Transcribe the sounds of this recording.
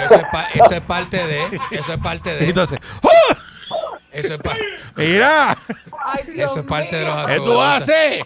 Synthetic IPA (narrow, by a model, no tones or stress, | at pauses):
eeaesoespaɾt̪eðeesoehpaɾt̪eðẽnt̪õnseshu | esoeamiɾa | esoespaɾt̪eðelosat̪uase